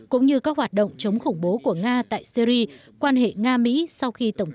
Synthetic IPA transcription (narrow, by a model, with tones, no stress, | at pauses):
kʊ̰˧˥ŋ͡mɲɨ˧kɔː˨˥hwaː˨˩t̚ɗə̰˧˨wŋ͡mt͡ɕə˨˦wŋ͡mxʊ˧˩ŋ͡mɓo˨˦ku˧˩əŋaː˧t̪a̰ː˧˨jsi˧ɾi˧ | kwaː˧nhḛ˧˨ŋaː˧mḭ˧˥sa˧wxi˧t̪ə˧˩wŋ͡m